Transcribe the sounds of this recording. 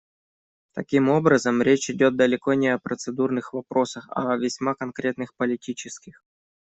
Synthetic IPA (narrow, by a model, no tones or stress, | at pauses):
t̪ɐkʲimo̞bɾəzəmɾʲet͡ɕɪdʲot̪̚d̪əlʲɪko̞nʲɪɐpɾət̪sɨd̪urnɨxvɐpɾo̞səxɐ̰vʲɪsʲmakɐnkɾʲe̞t̪nɨxpəlʲɪtʲit͡ɕɪskʲɪx